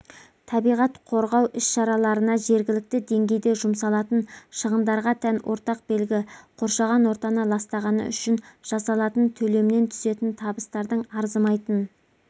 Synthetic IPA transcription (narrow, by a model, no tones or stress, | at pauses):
t̪ʰɑbijʁɑt̪qʰo̞ɾʁɑwʔʏsʃɑɾɑlˠɑɾənɑʒe̞ɾɡʲɪlɪk̚t̪ɪd̪e̞ŋɡʲe̞jd̪e̞ʒʊmsɑlˠɑt̪ənʃəʁənd̪ɑɾʁɑt̪ʰænwʔo̞̰ɾt̪ɑq̚b̥e̞lɡʲɪqʰo̞ɾʃɑʁɑnwo̞ɾt̪ɑnəlˠɑst̪ɑʁɑnə̰ʏ̰ʃɪnʒ̥ɑsɑlˠɑt̪ənt̪ʰɵle̞mɪne̞nt̪ʰʏ̥ze̞t̪ɪnt̪ʰɑbəst̪ɑɾd̪əɴɑɾzəmɑjt̪ən